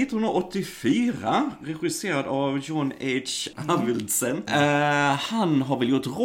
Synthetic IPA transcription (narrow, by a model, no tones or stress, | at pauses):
ɪt̪ːənhɵnɾaɔt̪ːɪfyːɾa̰ɾɛɧɪseːɾad̪avjɔneɪd̪ʃʔavɪld̪sən | hanɦaɾvɛljʊʈːɾɔ